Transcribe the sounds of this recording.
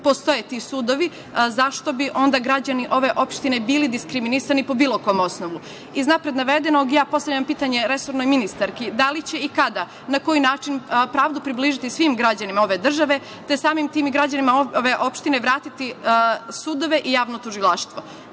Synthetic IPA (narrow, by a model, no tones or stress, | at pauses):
po̞st̪o̞jet̪iːsuːd̪o̞ʋi | zaʃt̪o̞biʔo̞nd̪aɡɾad͡ʑaniʔo̞ʋe̞ʔo̞pʃt̪ine̞biːlid̪iskɾiminisanipo̞biːlˠoko̞mosnoʋu | iznapɾed̪naʋe̞d̪e̞no̞ɡijaːpo̞st̪aʋʎampiːt̪aɲe̞ɾe̞so̞ɾno̞jminist̪aɾkid̪alit͡ɕe̞ikad̪a | nako̞jinaːt͡ʃinpɾaːʋd̪upɾibliːʒit̪isʋimɡɾad͡ʑanimao̞ʋe̞d̪r̩ʒaʋe̞ | t̪esaːmimt̪iːmiɡɾad͡ʑanimaʋeʔo̞pʃt̪ineʋɾaːt̪it̪isuːd̪o̞ʋe̞ʔijaːʋno̞t̪uʒilˠaʃt̪ʋo̞